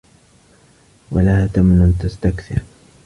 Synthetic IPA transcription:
walahaːt̪amnant̪ast̪akθɪɾ

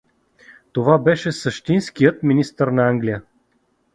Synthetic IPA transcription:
t̪ovabɛʃɛsəʃt̪inskijət̪minist̪əɾnɐaŋɡlijə

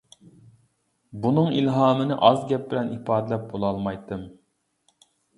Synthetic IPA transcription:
bunɨŋilɦɑːmɨnɪʔɑzɡʲɛp̚bɪlɛnipɑːd̪ɪlɛp̚bolˠɑlˠmɑjt̪ʰːɨm

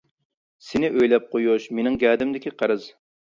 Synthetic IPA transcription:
sɪnɪʔøjlɛp̚qʰojuʃmenɪŋɡʲɛːd̪ɪmd̪ɪkʲiqʰəɾɨz̥

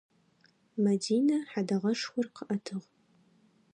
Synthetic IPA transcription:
mɐdiːnɐħadɐʁɐʂxʷʊrqʰəʔɐtʰɨʁ

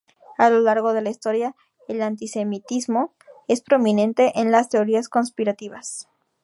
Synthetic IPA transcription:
alo̞laɾɣo̞ðe̞laist̪o̞ɾja | elant̪ise̞mit̪izmo̞ | e̞spɾo̞mĩnẽ̞nt̪e̞ʔenlast̪e̞o̞ɾiasko̞nspiɾat̪iβas

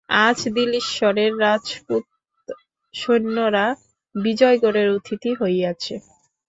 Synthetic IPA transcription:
ad͡ʑd̪iliʃʃɔɾeɾːad͡ʑput̪ | ʃonːoɾa | bid͡ʑɔjɡoɾeɾut̪ʰit̪iɦojat͡ɕʰe

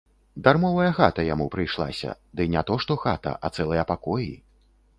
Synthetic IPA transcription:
d̪armɔvɐjɐxat̪ɐjamupɾɨjʂlˠa̰sʲɐ̰d̪ɨnʲat̪ɔʂt̪ɔxa̰t̪ɐ̰ʔɐt̪sɛlˠɐjɐpakɔji

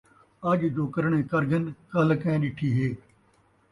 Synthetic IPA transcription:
ɐd͡ʒd͡ʒoːkəɾɳ̃ẽːkɐɾɡənkɐlkɛ̃ːɗɪʈʰiːɦeː

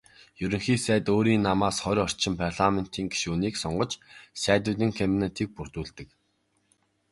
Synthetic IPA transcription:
jɵɾɵ̆ŋxiːsæːt̪oːɾiːnːamaːsχɔɾʲɔr̥t͡ɕʰɪ̆mpʰarɮamen̥t̪ʰiːŋɡi̥ʃuuniːksɔɴɢɞ̆t͡ɕsæːt̪ʊːt̪iːŋkʰampinet̪ʰiːk̚purt̪uːɮt̪ɘ̆k

